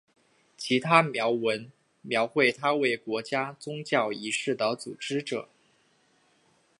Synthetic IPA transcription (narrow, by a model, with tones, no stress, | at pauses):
t͡ɕʰi˧˥t̪ʰa˥mjɑ˧˥ʊwə˧˥n | mjɑ˧˥ʊxwe˥˩ɪt̪ʰa˥we˥˩ɪkwɔ˧˥t͡ɕja˥t͡sʊ˥ŋt͡ɕjɑ˥˩ʊi˧˥ʂɻ̩˥˩d̪ə˨˦t͡sṵ˨˩ʈ͡ʂɻ̩˥ʈ͡ʂɤ̰˨˩˦